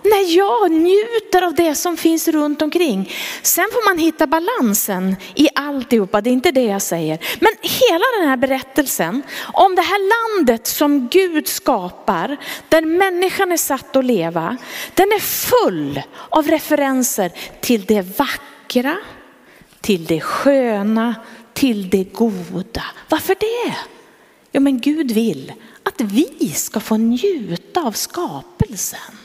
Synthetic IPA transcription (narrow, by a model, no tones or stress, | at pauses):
næɾjɑːɡnjʉ̟ːt̪əɾavd̪ɛsɔmfɪnsɾɵnt̪ɔmkʰɾɪŋːsɛnfoːɾmanɦɪt̪ːabalansənʔɪʔalt̪ɪhuːpːad̪ɛɪnt̪əd̪ɛjɑsɛjːəɾmɛnheːlad̪ɛnhæːɾbɛɾɛt̪ːəlsənʔɔmd̪ɛɦæːɭand̪ət̪sɔmɡʉ̟ːd̪skɑːpaɾd̪̥æɾmɛnːɪɧanæʂat̪ːɔleːva̰d̪̥ɛnæɾfɵlːavɾɛfɛɾɛnsəɾʈʰɪld̪ɛvakː | ɾa | t̪ʰɪld̪ɛɧøːnat̪ʰɪld̪ɛɡuːd̪avaɾfœɖɛ | juːmɛnɡʉ̟ːd̪vɪlat̪vɪskafoːnjʉ̟ːt̪aːvskɑːpəlsən